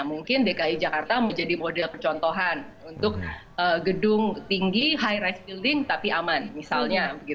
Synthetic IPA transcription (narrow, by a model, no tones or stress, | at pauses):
amuŋkɪndekaid͡ʒakart̪amad͡ʒadimodɛlpərt͡ʃɔnt̪oɦan | unt̪ʊk̚ʔəɡədʊŋt̪iŋɡiɦajɾajsbildɪŋt̪apiamanmisalɲabɡi